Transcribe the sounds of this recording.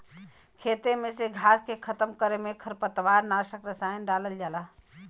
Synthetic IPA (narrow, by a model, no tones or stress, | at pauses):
kʰet̪emeseɡʱaskekʰət̪əmkəɾemekʰəɾpət̪ʋaɾnasəkɾəsajənɖaləld͡ʒaːla